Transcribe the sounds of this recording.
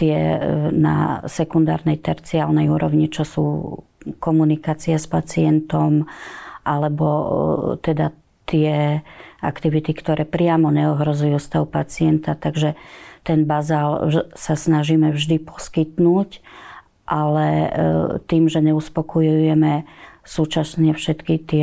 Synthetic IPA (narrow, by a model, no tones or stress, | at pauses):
t̪ɪɛna̰sɛkund̪a̰ːɾnɛjt̪ɛɾt͡siaːlnɛjuːɾɔʋɲit͡ʃɔsṵː | kɔmunikaːt͡siɛspat͡siɛnt̪ɔmʔalɛbɔt̪ɛd̪a | t̪ɪɛʔa̰kt̪iʋit̪ikt̪ɔɾɛːpɾɪamɔɲɛɔɦɾɔzujuːst̪aʊpat͡sɪɛnt̪at̪aɡʒɛt̪ɛnbazaːlsasnaʒiːmɛvʒd̪ipɔ̥skit̪nuːc | ʔalɛ | t̪iːmʒɛɲɛuspɔkɔjujujɛmɛsuːt͡ʃasɲɛfʃɛt̪kit̪ɪɛ